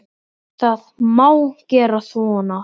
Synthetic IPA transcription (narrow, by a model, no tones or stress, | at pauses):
θaðmawcɛːɾaθvɔːna